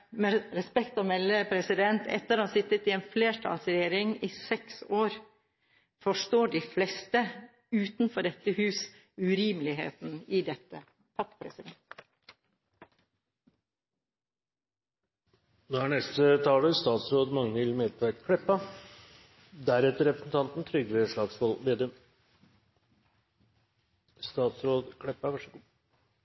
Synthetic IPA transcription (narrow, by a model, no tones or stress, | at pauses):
mɛɾɛspɛkt̪ɔmɛlːəpʰɾɛsɪd̪ɛnt̪ʰɛ̰t̪ːəɾhɑsɪt̪ːət̪ɪeːnfleːʈʰɑ̰ːlsɾɛjeːɾɪŋɪsɛksoːɾ | fɔʂʈoːɖiflɛst̪ə | ʉːt̪nfɔɖɛt̪ːəhʉːs | ʉɾiːmlɪɦḛːt̪nɪd̪ɛt̪ːə | pʰɑkpʰɾɛ̰sɪd̪ɛnt̪ | noːhæɳɛst̪ət̪ʰɑːləst̪ɑːt̪sɾoːd̪mɑŋnəɪlmeːd̪ʰækkʰɽɛpːɑ | d̪æɾɛt̪ːəɾɛpɾəsn̩t̪ʰɑnt̪n̩t̪ʰɾʏɡʋeːʂɭɑːɡsʋɔlmeːd̪əm | st̪ɑːt̪sɾoːd̪kʰɽɛpːɑʋæʂəɡuː